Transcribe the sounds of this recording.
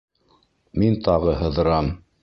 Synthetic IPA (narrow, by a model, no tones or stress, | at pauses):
mint̪ʰɑʁɤɦɤ̆ðɤ̆ɾɑm